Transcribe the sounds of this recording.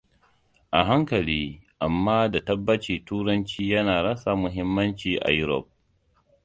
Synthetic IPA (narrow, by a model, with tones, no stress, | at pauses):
ʔa˨ɦa˦ŋkɐ˨liː˦ʔa˨mːaː˦da˨tɐ˦bːɐ˦t͡ʃiː˨tuː˦ɾɐ˦nt͡ʃiː˦jɐ˦naː˨ɽɐ˦sa˨mʊ˨ɦɪ˦mːɐ˦nt͡ʃiː˨ʔa̰˨jʊ˦ɾɔ̰˨p̚